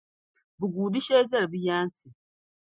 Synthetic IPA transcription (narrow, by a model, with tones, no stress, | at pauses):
bu˨ɡuː˨di˦ʃe˦za˦ɾi˨bi˦jaː˦n˦si˨